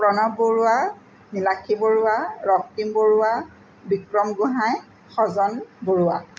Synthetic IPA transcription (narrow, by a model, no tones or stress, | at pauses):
pɹɔnɔboɹua | nilakʰiboɹʊaɹɔk̚timboɹʊwa | bikɹɔmɡuɦãj | xɔzɔnboɹuwa